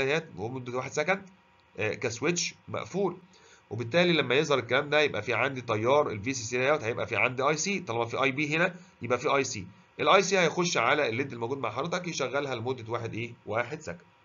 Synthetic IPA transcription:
æjæːt̪emod̪ːæwaːħed̪sækæn | kæsweʃmæ̰ʔfuːl | webet̪ːæːlilæmːæjeʔzˤhɑɾˤelkːælæːmd̪æjebʔæfiːʕand̪it̪ˤɑjːɑːɾˤelviːsisilæjæːt̪hæjebʔæfiːʕand̪iʔɑjsiːt̪ˤɑlˤɑbɑnfiːʔɑjbiːɦenæ | jebʔæfiːʔɑjsiː | ʔelʔɑjsiːhæjxoʃːʕalælːed̪ːelmowɡuːd̪ma̰ʕħɑdˤɾet̪ˤɑkjeʃæɣːælɦælemod̪ːæwaːħed̪ʔeːwaːħed̪sækæ̥n

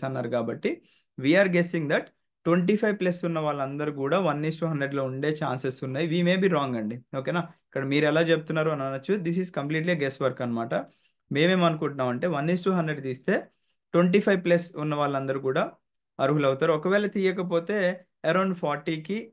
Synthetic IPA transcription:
ɐnːaːɾukaːbɐʈːi | ʋiːaːɾɡesiŋd̪ɐʈ | ʈːʋeɳʈ̬iːpʰɐjʋplessunːɐʋaːɭːɐnd̪ɐɾukuːɽaːʋɐnːiːsʈuːɦɐnd̪ɾeɖloːuɳɖe̞ːt͡ʃaːnsesunːaːjiʋiːme̞ːbiːɾɔːŋɡɐɳɖioːkeːnaːikːɐɽɐmiːɾɛlaːt͡ʃebut̪unːaːɾuɐnɐnːɐt͡ʃːud̪is̬iskɐmpliːʈ̬liɐɡɛsʋɐɾkɐnːɐmaːʈɐ | me̞ːme̞ːmɐnukuɳʈunaːmɐɳʈe̞ːʋɐnːisʈuːɦɐndɾeɖt̪iːst̪e̞ː | ʈʋeɳʈ̬iːpʰɐjʋplɐsunːɐʋaːɭːɐnd̪ɐɾukuːɽaː | ɐɾuɦulɐwut̪aːɾuɔkɐʋɛːlɐt̪iːjɐkɐp̬o̞ːt̪eː | eɾoːnpʰɔːɾʈiːki

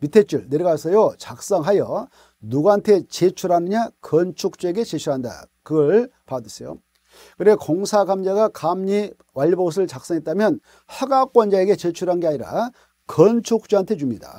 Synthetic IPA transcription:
mitʰe̞t͡ɕ͈uɭneɾeɡasʰʌjot͡ɕak̚s͈ʌŋɦajʌ | nuɡaantʰe̞t͡ɕet͡ɕʰuɾɦanɯɲakʌnt͡ɕʰuk̚t͡ɕ͈ueɡe̞t͡ɕet͡ɕʰuɾɦanda̰kɯɡʌɭpadɯsʰejo̰ | kɯɾekoŋsʰaɡamd͡ʑaɡakamɲi | waʎːboos̬ʰɯɭt͡ɕak̚s͈ʌŋɦet̚t͈amjʌn | haɡak͈̚wʌnd͡ʑaeɡe̞t͡ɕet͡ɕʰuɾɦanɡe̞aɲiɾa̰ | kʌnt͡ɕʰuk̚t͡ɕ͈uantʰe̞t͡ɕumɲida̰

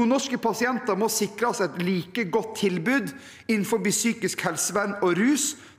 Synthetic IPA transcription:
uːnɔʂkəpʰɑsɪɛnt̪ɑɾmɔsɪkɾɑsɛt̪liːkəɡɔt̪ʰːɪlbʉːd̪ | ɪnn̩fɔɾbisyːkɪskhɛlsəʋænɔɾʉːs

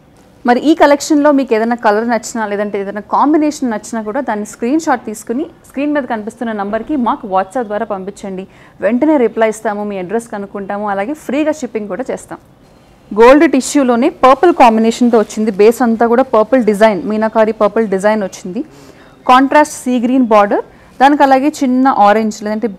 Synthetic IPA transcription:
mɐɾiʔiːkɐlekʂɐnlo̞ːmiːkeːd̪ɐjnaːkɐlɐɾnɐt͡ʃːinaleɛːd̪ɐɳʈeːd̪ɐnaːkaːmbinɛːʂɐnnɐt͡ʃːinaːkuːɽaːd̪aːnːiskɾiːnʃaːʈ̚t̪iːsu̥kuniskɾiːnmiːd̪ɐkɐnipist̪unːɐnɐmbɐɾkimaːkuʋaːʈsɐːp̚d̪ʋaːɾaːpɐmpiɲt͡ʃːɐɳɖi | ʋe̞ɳʈɐne̞ːɾiplɐːjist̪aːmumiːɐɖɾeskɐnukuɳʈaːmuɐlaːɡe̞ːpʰɾiːɡaːʃipːiŋkuːɽaːt͡ʃeːst̪a̰ːm | ɡoːlɖɾeʈiʃjuːlo̞ːne̞ːpɐɾpɐlkaːmbinɛːʂɐnt̪̬oːʋɐt͡ʃːind̪ibeːsɐnt̪aːkuːɽaːpɐːɾpɐlɖid͡ʒɐjnmiːnɐkaːɾipɐːɾpɐlɖid͡ʒɐjnʋot͡ʃːind̪i | kaːɳʈɾaːsʈsiːɡɾiːnbaːɾɖɐɾ | d̪aːnik̬ɐlaːɡe̞ːt͡ʃinːɐʔaːɾeɲd͡ʒleːd̪ɐɳʈeː

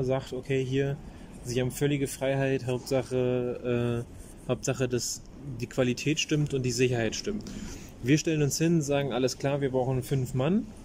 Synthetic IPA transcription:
zaːktokʰeːɦiːɐ | ziːhaːbm̩fœlɪɡəfʁ̥aɪɦaɪtɦaʊp̚tz̥aχəʔɛː | haʊp̚tz̥aχədas | d̥iːkʰv̥alitʰɛːtʃtɪmtʊntd̥iːzɪçɐhaɪtʃtʏmt | viːɐʃtɛlənʊnshɪnʊnzaːɡŋ̩ʔaləskl̥aːɐviːɐbʁaʊxn̩fʏnfman

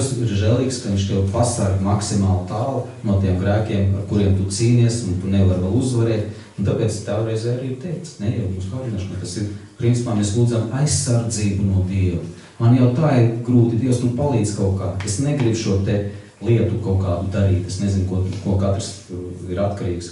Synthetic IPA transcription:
siɾʒɛlˠiːkskɐʋiɲʲt͡ʃt̪ɛwpasaɾɡmaksimaːlˠt̪aːlˠ | nuɔt̪iɛmɡɾæːkʲiɛmaɾkuɾiɛmt̪ut̪siːniɛsunt̪uneʋaɾʋalˠuzʋaɾɛːt̪ | unt̪apeːt̪st̪aːaɾɛjzɛːjaɾiːiɾt̪ɛjkt̪snɛjɛmuːsɡaːd̪inaːʃnat̪asiɾpɾint̪i̥paːmeslˠuːdzamajsːaɾd̪ziːbunuɔd̪iɛʋu | manjawt̪aːiɾɡɾuːt̪id̪iɛst̪upalˠiːd̪z̥kaʊkaːd̪esneɡɾibʃuɔt̪e | lˠiɛt̪ukaʊkaːd̪ud̪aɾiːt̪esnezinkuɔkuɔkat̪ɾs | iɾat̪kaɾiːks

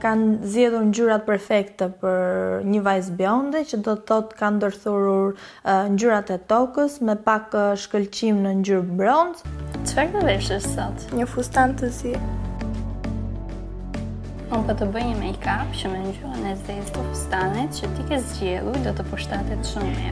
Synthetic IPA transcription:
kanzjɛðuɾɲd͡ʑyɾat̪̚pɛɾfɛkt̪ɛpəɾɲəvajs̬biɔnd̪ɛt͡ɕəd̪ɔθɔt̪kand̪əɾθuɾuɾɲd͡ʑyɾat̪ɛt̪ɔkəsmɛpakʃkəlt͡ɕimnəɲd͡ʑuɾbɾɔnd͡zt̪əfɛɾt̪əvɛʃəssɔt̪ɲəfust̪ant̪əzi | unpət̪əbəɲəmɛkapt͡ɕəmɛɲɟyɾənɛzd̪ɛt̪t̪əfust̪anɛt̪̚t͡ɕət̪ikɛzd͡ʑɛlˠujd̪ɔt̪əpuʃt̪at̪ɛt̪ʃummɛ

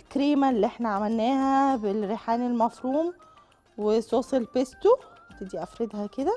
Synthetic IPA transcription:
kɾiːmælːiʔeħnæʕamælnæːhæbelɾeħaːnilmæfɾuːm | wesoːsˤelpest̪ot̪ed̪iʔæfɾed̪hæked̪æ

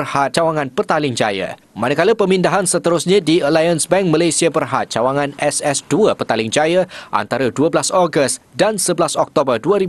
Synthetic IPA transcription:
rhat̪̚t͡ʃawaŋãnpərt̪alɪŋd͡ʒa̰ja̰ | manakaləpəmindaɦansət̪əɾʊsɲãdiəlajansbɛŋ̚mãlajsiabərɦat̪̚t͡ʃawaŋãnɛsɛsduəpərt̪alɪŋd͡ʒajaʔa̰nt̪aɾaduəbəlasɔɡəst̪dansəbəlasɔk̚t̪obərduəɾi

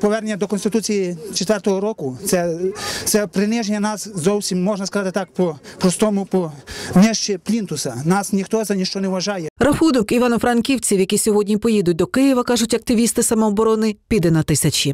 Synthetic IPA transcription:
pɔʋɛrnenʲːɐd̪ɔkɔnst̪ɪt̪ut͡sʲijit͡ʃet̪ʋɛrt̪ɔɦɔɾɔkʊt̪sɛt̪sɛpɾɪnɪʒenʲːɐnɑszɔwsʲimːɔʒnɐskɐzɑt̪ɪt̪ɑkpɔpɾɔst̪ɔmʊpɔnʲɛʃt͡ʃiplʲint̪ʊsɐnɑsnʲixt̪ɔzɐnʲiʃt͡ʃɔnɛʋʋɐʒɑjɛɾɐxud̪ʊkiʋɑnʊfɾɐnkʲiwt͡sʲiwjɐkʲisʲɔɦɔdʲnʲipɔjid̪ʊt̚ʲd̪ɔkɪjɪʋɐkɑʒʊtʲɐk̚t̪ɪʋʲist̪ɪsɐmɔːbɔɾɔnɪpʲid̪ɛnɐt̪ɪsʲɐt͡ʃʲi

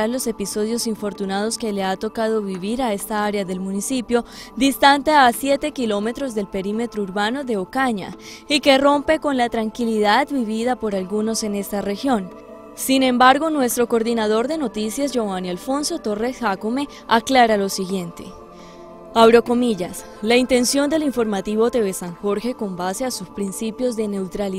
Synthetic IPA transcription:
aɾlo̞se̞piso̞ðjo̞siɱfo̞ɾt̪unað̞o̞ske̞le̞at̪o̞kað̞o̞βiβiɾae̞st̪aaɾeaðe̞lmũnisipjo̞d̪ist̪ant̪easje̞t̪e̞kilo̞me̞t̪ɾo̞zd̪e̞lpe̞ɾime̞t̪ɾouɾβano̞ðe̞okaɲa̰ike̞ro̞mpe̞ko̞nlat̪ɾaŋkiliðad̪biβiðapo̞ɾalɡuno̞se̞ne̞st̪are̞xjo̞n | sinẽ̞mbaɾɣo̞nwe̞st̪ɾo̞koɾðinað̞o̞ɾd̪e̞no̞t̪isjazd͡ʒoanialfo̞nso̞t̪o̞re̞sxakome̞ | aklaɾalo̞siɣje̞nt̪e̞̰ | aβɾo̞ko̞miʝas | laint̪e̞nsjo̞nd̪e̞liɱfo̞ɾmat̪iβo̞t̪e̞βesaŋxo̞ɾxe̞ko̞mbase̞asuspɾinsipjo̞zd̪e̞ne̞wt̪ɾali

